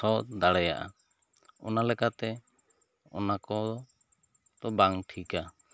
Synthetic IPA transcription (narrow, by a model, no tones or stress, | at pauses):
ɔt̪̚d̪aɽɛja̰ʔa̰ | ɔnalɛkat̪ɛ | ɔ̰nakɔɔ | d̪ɔbaŋʈʰika